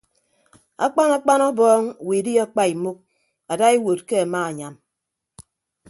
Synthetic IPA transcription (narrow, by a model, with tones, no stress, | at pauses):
a̰˦k͡pa˦na˦k͡pa˦nɔ˦bɔː˦ŋ˨wi˨di˦a˦k͡pa˦i˨mu˦k̚ | a˨da˦e˦wo˨t̚ke˦a˨ma˦a˨ɲa˨m